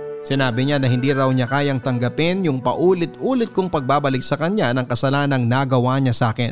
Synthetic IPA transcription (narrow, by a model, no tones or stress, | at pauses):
sɪnaːbɪɲanɐɦɪnd̪iːɾɐwɲɐkaːjɐŋt̪ɐŋɡɐpɪnjʊŋpɐ̰ʔuːlɪt̪̚ʔuːlɪt̪̚kʊŋpɐɡ̚baːbɐlɪk̚sɐkɐɲanɐŋkɐsɐlaːnɐŋnɐɡɐwaɲasaːkɪ̰n